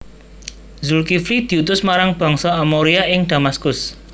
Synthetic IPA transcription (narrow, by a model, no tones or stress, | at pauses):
zʊlkifɾid̪̥i̤ut̪ʊsmaɾaŋb̥ɔ̤ŋsɔamoɾiaʔɪŋd̪̥a̤maskʊs